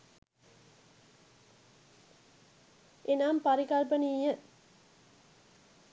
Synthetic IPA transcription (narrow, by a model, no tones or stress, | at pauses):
ʔenaːmpaɾikalpəniːjə